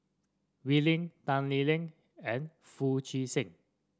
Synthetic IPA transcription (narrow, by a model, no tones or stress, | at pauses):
wilɪ̃ŋt̪ãnlilɪ̃ŋ | ɛ̃n | fut͡ʃisɪ̃ŋ